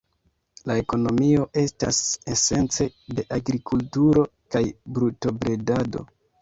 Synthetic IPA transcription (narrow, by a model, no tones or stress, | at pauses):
lae̞ko̞no̞mio̞ʔe̞sta̰se̞se̞nt͡se̞de̞ʔaɡɾikʰultuɾo̞kajbɾuto̞bɾe̞dado̞̰